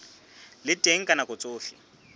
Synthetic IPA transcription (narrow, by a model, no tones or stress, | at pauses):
lɪtʼeŋ̩kʼanakʼʊt͡sʼoːfɪ̰